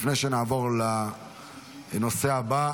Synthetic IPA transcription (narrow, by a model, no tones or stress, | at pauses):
fneʃenaːvo̞ʁla | no̞se̞aba